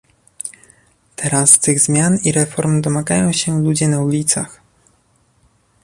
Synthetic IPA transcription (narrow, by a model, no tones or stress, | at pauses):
t̪ʰɛɾast̪ɘɣzmʲjaniɾɛfɔɾmd̪ɔmaɡajɔ̃w̃ɕɛlud͡ʑɛnaulʲit̪sa̰x